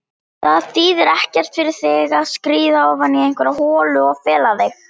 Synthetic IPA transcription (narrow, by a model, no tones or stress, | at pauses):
θaðθiːðɪɾɛhcɛr̥t̪fɪɾɪɾ̥θɪɣaðskɾiːðaɔwvanːiejŋ̥kvɛɾahɔːlʏɔɣfɛːlaθex